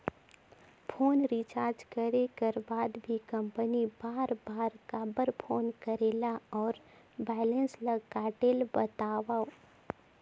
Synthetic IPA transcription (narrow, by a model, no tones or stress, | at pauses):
pʰoːnɾit͡ʃaːɾd͡ʒkəɾekəɾbaːd̪bʱikɐ̃mpənibaːɾbaːɾkabəɾpʰoːnkəɾeːlaɔːɾ | bɛːlə̃nsləɡɡaːʈeːlbət̪aːʋao